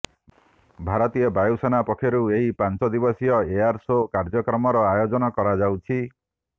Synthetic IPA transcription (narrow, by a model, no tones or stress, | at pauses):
bʱaɾɔt̪ijɔbajusanapɔkʰjɔɾueɦipansɔd̪ibɔsijɔeaɾsokaɾd͡ʒɔkɾɔmɔɾɔajod͡ʒɔnɔkɔɾad͡ʒawt͡ʃʰi